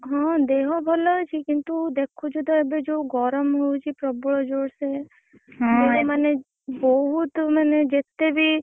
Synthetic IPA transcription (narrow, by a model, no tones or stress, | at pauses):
ɦɔ̃d̪eɦɔbʱɔlɔt͡ʃʰikint̪ud̪ekʰud͡ʒud̪ɔebed͡ʒowɡɔɾəmɦojt͡ʃʰipɾɔbɔɭɔd͡ʒoɽse | d͡ʒemane | bɔɦut̪maned͡ʒet̪ebʱi